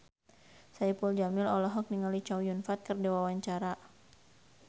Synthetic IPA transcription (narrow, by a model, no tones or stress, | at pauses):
saipuld͡ʒamɪlɔlɔɦɔk̚niŋalit͡ʃawjunfat̪̚kərdawawaɲt͡ʃaɾa